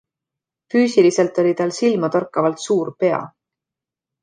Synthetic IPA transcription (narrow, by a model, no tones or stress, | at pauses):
fyːsilise̞lt̪ˑo̞lʲit̪ɑlsilmɑt̪orkːˑɑvɑlt̪suːɾpe̞ɑ̰